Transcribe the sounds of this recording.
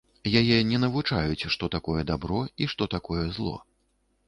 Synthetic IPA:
jajɛnʲɛnɐvut͡ʂajut͡sʲʂt̪ɔt̪akɔjɛd̪abɾɔiʂt̪ɔt̪akɔjɛzlˠɔ̰

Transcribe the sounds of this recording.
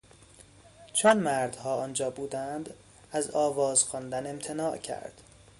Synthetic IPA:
t͡ʃʰonmæɾd̪̥hɒːɒnd͡ʒɒːbuːd̪ænd̪ | æzɒːvɒːzxɒnd̪æne̞mt̪ʰe̞nɒːʔcʰæ̰ɾd̪̥

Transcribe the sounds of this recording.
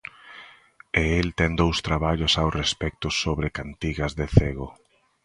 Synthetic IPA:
eelt̪ɛŋd̪owst̪ɾaβaʎʊsawrespɛk̚t̪ʊsːoβɾekant̪iɣazðeθeɣo

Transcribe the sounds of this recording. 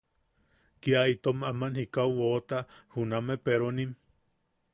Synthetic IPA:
kiait̪omamanhikawwot̪ahunamepeɾonim

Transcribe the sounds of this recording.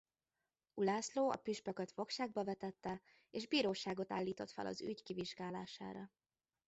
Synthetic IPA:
ulaːsloːʔɒ̰pyʃpɛkɒt̪fo̞kʃaːɡ̚bɒvɛt̪ɛt̪ːɛ | eːʒbiːɾoːʃaːɡo̞t̪a̰ːlːiːt̪o̞t̪fɛ̰lʔɒ̰zy̰ɟkiviʒɡaːla̰ːʃa̰ːɾɒ

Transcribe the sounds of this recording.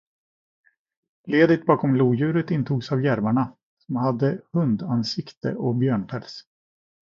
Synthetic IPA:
leːd̪ɪt̪̚bɑːkɔmluːjʉ̟ːɾət̪ɪnt̪ʰuːɡsavjæɾvaɳa | sɔmhad̪ːəhɵnd̪ansɪkt̪ə̰ʔɔbjœːɳpʰɛls

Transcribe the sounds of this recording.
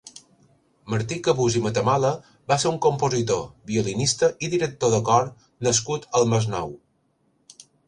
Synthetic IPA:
məɾt̪ikəβuzimət̪əmalə | βaseɾuŋkompozit̪obiolinist̪əʔiðiɾək̚t̪oðəkɔɾ | nəs̬kut̪əlˠməznɔ̰w

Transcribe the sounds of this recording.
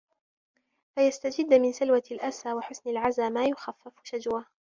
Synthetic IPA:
fajast̪ad͡ʒɪd̪ːmɪnsalwalʔasaːwaħʊsnalʕazaːmaːjʊxafːafʃad͡ʒwa

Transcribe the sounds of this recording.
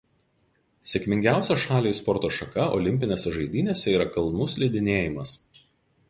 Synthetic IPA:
sʲeɛkʲmʲɪŋʲɡʲæˑʊsʲɛʃɑːlʲiːspɔɾt̪oːʃɐkɐɔ̰lʲɪmʲpʲɪnʲeːsʲɛʒɐɪd̪ʲiːnʲeːsʲɛiːɾɐkɐlˠnuːsʲlʲed̪ʲɪnʲeːjɪmɐs

